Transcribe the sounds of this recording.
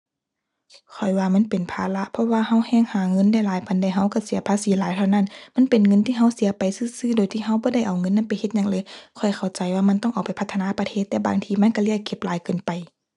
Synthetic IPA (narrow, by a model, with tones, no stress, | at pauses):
kʰɔ˨˩jwaː˧ma˧˥˨npe˨npʰaː˧la˧ʔpʰɔ˧˨waː˧ha˧˥˨whɛː˧˨ŋhaː˨˧˦ŋɤ˧˥˨nda˧˩˨jlaː˨˦jpa˨˦nda˧˩ɦa˧˥˨wka˧˩si˨˦ɐpʰaː˧˥siː˨˦laː˨˦jt̪ʰa˧wna˧˥˩nma˧˥˨npe˨nŋɤ˧˥˨nt̪ʰiː˧˨ɦa˧˩wsi˨˦ɐpa˨jsɯː˧˥˨sɯː˧˥˨doː˨jt̪ʰiː˧˩ɦa˧˥˨wbɔː˧˦da˥˩jʔa˨˩wŋɤ˧˥˨nːa˧˥˨pa˨jhe˧t̪̚ɲa˧˨ŋlɤː˧˦jkʰɔ˨˩jkʰa˨˩wt͡ɕa˨jwaː˧˨ma˧˥˨nt̪ɔ˧˥˨ʔa˨˩wpa˨jpʰa˧˥t̪ʰːnaː˧˥˨pa˧t̪ʰeː˧˩t̪ːɛː˧˩ba̰ː˨ŋt̪ʰiː˧˩ma˧˥˨nka˧˨li˧˥˩əkʰːe˧˩p̚laː˨˦jkɤː˨npa˨j